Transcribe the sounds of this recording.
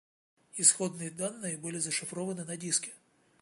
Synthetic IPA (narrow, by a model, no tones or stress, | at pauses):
isxɔd̪nɨjɛd̪anːɨjɐbɨlʲˠizɐʂɪfɾɔvɐnɨnɐdʲiskʲɪ̥